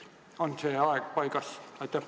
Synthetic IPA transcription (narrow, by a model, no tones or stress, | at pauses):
onseːɑekpɑikɑsɑt̪ːæ